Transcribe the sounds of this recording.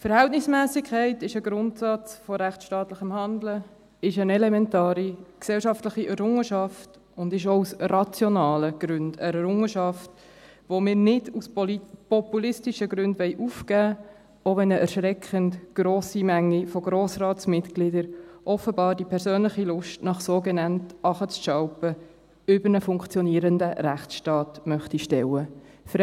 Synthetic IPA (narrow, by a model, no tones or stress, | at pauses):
fəɾhæltnɪsmæːsɪkʰχæɪtɪʃəɡɾʊntsɑt͡sfɔɾæχt͡sʃtɑːtləχəmhɑndlə | ɪʃənɛlɛmɛntɑːɾiksɛlʃɑftləχiʔɛɾʊŋəʃɑft | ʊndɪʃousrɑt͡sjɔnɑːləɡ̥ɾʉnd̥ɛɾɛɾʊŋəʃɑft | ʋomɪːɾnɪduslipɔpulɪstiʃəɡɾʉndʋɛɪʔufkæː | ʔovɛnəʔɛɾʃɾɛkχəntɡ̥ɾoːsimæŋːifoɡɾoːsrɑːtsmɪtklɪdəɾʔɔfəbɑːɾdipʰɛɾsøːnlɪχilʊʃtnɑχsoːɡɛnɑntʔɑχət͡sʃɑwpə | ʏbəɾnəfʊŋkt͡sjɔniːəɾəndəɾæχt͡sʃtɑːtmœχtiʃtɛwə | fɾ